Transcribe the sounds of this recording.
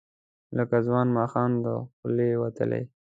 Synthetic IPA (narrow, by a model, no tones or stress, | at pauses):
ləkazwɑnmɑxɑnd̪əxʊlewat̪ə̰lḛj